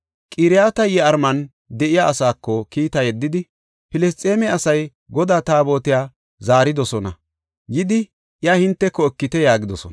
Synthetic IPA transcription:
kʼɪːɾɪjaːt̪ɐjɛɐɾmɐn | d̪ɛʔɪjaʔːsaːkːɔkiːt̪ɐjɛd̪ːɪd̪ɪ | pɪlɛs̬t̪ʼeːmɛɐsɐj | ɡɔd̪aːt̪aːbo̞ːt̪ɪjaː | zaːɾɪd̪ɔsɔnɐ̰ | jɪd̪ɪ | ʔɪjahɪnt̪ːɛkːɔɛkːɪt̪ɛjaːɡɪd̪ɔsɔn

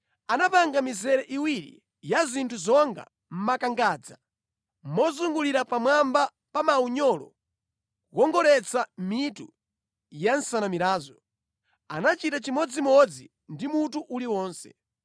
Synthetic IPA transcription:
anapaŋɡamizɛɾɛʔiwiɾḭ | jazintʰuzɔŋɡa̰ | m̩makaŋɡaːd͡za | mɔzuŋɡuliɾapamwamba | pamauɲɔlɔ̰ | wɔŋɡɔɾɛt͡sʰamitu | jansanamiɾaːzɔ | anat͡ʃitat͡ʃimɔd͡zimɔd͡zi | ndimutuʔuliwɔːnsɛ̰

